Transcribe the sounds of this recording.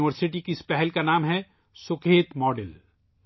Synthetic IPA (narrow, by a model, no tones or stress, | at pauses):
ɪəɾsɪʈ̬ikɪspɛɦɛlkanaːmɦɛ | sʊkʰeːt̪mɔːɖel